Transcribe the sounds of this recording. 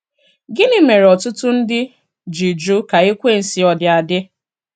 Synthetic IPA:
ɡɪ˦nɪ˦me˨ɾɔ˨tʊ˦tʊ˦n̩˦dɪ˦ | d͡ʒi˨d͡ʒu˦ka˨e˦kʷe˦˨n̩˨si˨ɔ˨dɪ˨a˨dɪ˦

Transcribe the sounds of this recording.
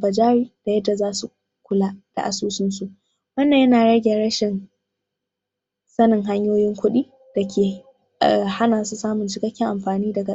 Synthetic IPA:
bɐ˨d͡ʒaː˦ɾiː˦d̥a˨jɐ˦dːa˨zaː˦su˨ | kʷʊ˦laː˦ʔd̥a̰˨ʔa˨suː˦sɪ˦nsu˨ʔ | wɐ˦nːa˨jɐ˦naː˨ɽɐ˦ɡʲe˨ɽɐ˦ʃɪ˨n | sɐ˦nɪ˨ŋɦa˦ɲjoː˦jɪ˦ŋkʷʊ˦ɗiː˦ | d̥a˨kʲʰeː˨ | ha˦naː˨su˦saː˦mʊ˨nt͡ʃɪ˦kɐ˦kʲːɪ˦ʔa˨mɸaː˨niː˦dɐ˨ɡa˨

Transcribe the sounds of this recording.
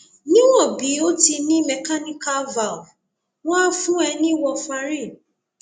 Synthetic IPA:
nĩ˦wɔ˦˨bi˨˦o˦ti˧nĩ˦mɛ˨ka˦ni˦ka˦va˨ | wã˦fũ˦ɛ˧nĩ˦wɔ˧fa˧ɾi˦˨

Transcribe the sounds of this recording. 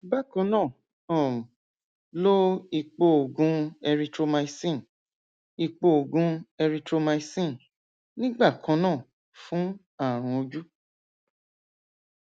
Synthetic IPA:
ba˦˨kã˧˦nãː˦˨ | ɔ̃˨ | lo˦i˧k͡po˧o˨ɡũ˧˦ɛ˧ɾi˧tɾo˧ma˧i˧sĩ˦˨ | i˧k͡po˧o˨ɡũ˧˦ɛ˧ɾi˧tɾo˧ma˧i˧sĩ˦˨ | nĩ˦ɡ͡ba˦˨kʰã˨˦nãː˦˨ | fũ˦ | a˦˨ɾ̃ũ˧o˧d͡ʒu˦

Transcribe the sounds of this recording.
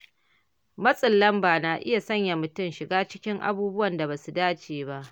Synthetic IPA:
mɐ˦sʼɪ˨lːɐ˦mbaː˨naː˨ʔɪ˦ja˨sɐ˦ɲja˨mʊ˨tʊ˦mʃɪ˨ɡaː˦t͡ʃɪ˦kʲɪ˦ŋʔa̰˦buː˦bʊ˦wɐ˨nda˨baː˨su˨daː˦t͡ʃeː˨ba˦ʔ

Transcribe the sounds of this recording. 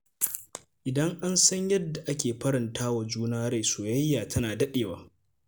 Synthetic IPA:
ʔɪ˨dɐ˦ŋʔa˦nsɐ˦ɲjɐ˦dːa˨ʔa˦kʲeː˨ɸɐ˦ɾɪ˨ntʰaː˦wa˨d͡ʒuː˦naː˦ɾe˦˨soː˨jɐ˦jːaː˨tʰɐ˦naː˨dɐ˦ɗeː˨waː˦

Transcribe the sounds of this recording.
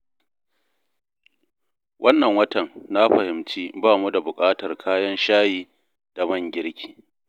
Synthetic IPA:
wʔɐ˦nːɐ˨ŋwɐ˦tɐ˨nːa˦ɸɐ˨hɪ˨mt͡ʃiː˦baː˦˨mu˦da˨bʊ˨kʼaː˦tɐ˨rkʰaː˦jɐ˦nʃaː˦jiː˦ | d̥a˨mɐ˦˨ŋɡʲɪ˦ɽkʲi̥ː˨

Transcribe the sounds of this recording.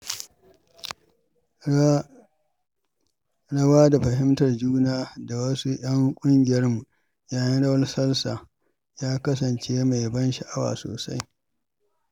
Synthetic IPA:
ɽɐ˦waː˦da˨ɸɐ˨hɪ˦mtɐ˨rd͡ʒuː˦naː˦da˨wɐ˦su˦ʔɐ˦ŋkʷʼʊ˦ŋɡʲɪ˨jɐ˦rmu˨ | jaː˦jɐ˦nɽɐ˦wɐ˦rsɐ˦lsaː˨ | jaː˦kɐ˦s̬ɐ˨nt͡ʃeː˦ma˨jbɐ˦nʃɐ˨ʔa˦wa̰ː˨so̰ː˨sa̰˦j

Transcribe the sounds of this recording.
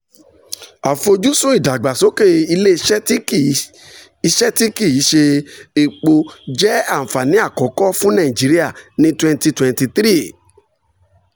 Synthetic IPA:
a˨fo˧d͡ʒu˦so˦i˦˨da˨ɡ͡ba˨so˨˦ke˦˨i˧le˦ | i˧ʃɛ˦ti˦ki˦˨i˨˦ʃe˧e˨k͡po˧d͡ʒɛ˦ã˦˨fa˨nĩ˨˦a˦˨kɔ˨˦kɔ˦fũ˦nã˦˨ĩ˨d͡ʒi˨˦ɾi˦a˦˨nĩ˨˦twɛ̃˧nti˧twɛ̃˨nti˧t̪ɾi˦˨

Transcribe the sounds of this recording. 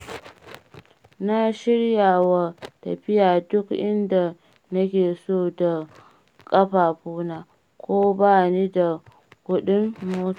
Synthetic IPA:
na˦ʃɪ˦ɽjaː˨wa˨tɐ̰˨ɸɪ˦jaː˨dʊ˦kʔɪ˦nda˨ | nɐ˦kʲeː˨soː˦˨da˨ | kʼɐ˦ɸaː˨ɸuː˦naː˨ | kʷoː˦baː˦niː˦da˨ | kʷʊ˨ɗɪ˦mːoː˦ta˨

